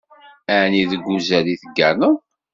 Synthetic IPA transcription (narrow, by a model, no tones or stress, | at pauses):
æniðəɡʷːuzæliθəɡːænə